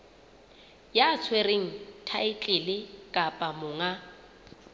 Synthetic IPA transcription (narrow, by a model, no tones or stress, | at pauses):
jat͡sʰwereŋ̩tʰaɪt͡ɬʼɪlɪkʼapʼamʊːŋa